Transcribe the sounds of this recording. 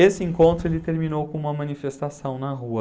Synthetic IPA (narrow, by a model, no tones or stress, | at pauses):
esɪẽŋkõnt̪ɾʊelɪt̪eɾminowkõũmɐmɐ̃nifest̪asɐ̃w̃nɐɦuɐ